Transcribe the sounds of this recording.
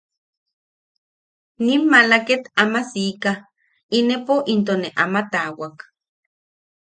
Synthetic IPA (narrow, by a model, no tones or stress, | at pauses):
nimːalaket̪amasika | inepoʔint̪̬oneʔamat̪awak